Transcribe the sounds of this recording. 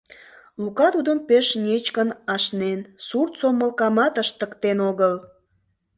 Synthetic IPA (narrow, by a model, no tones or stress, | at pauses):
lukɑt̪ud̪əmpeʃnʲet͡ɕkənɑʃnensurt̪soməlkɑmɑt̪əʃt̪əkt̪enoɣəl